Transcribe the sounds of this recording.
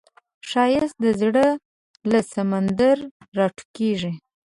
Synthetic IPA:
ʃɑjɪst̪̚d̪əzɽə | lasamand̪aɾː | ɑʈu̥keʐi

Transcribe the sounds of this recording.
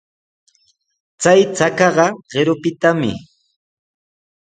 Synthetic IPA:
t͡sajt͡sakɑɢɑɢ̥ɪɾʊpɪt̪amɪ̰

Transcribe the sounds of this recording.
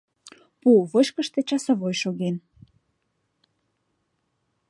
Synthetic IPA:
puβɤʃkəʃt̪et͡ɕɑsə̆βojʃoɣen

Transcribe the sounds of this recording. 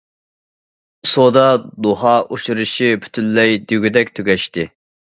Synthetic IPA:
sod̪ɑd̪oɦɑʔoʃuɾɨʃipʰy̥t̪ʰynːɛjd̪yɡʲyd̪ɛkʲt̪ʰøɡʲɛʃt̪ɪ

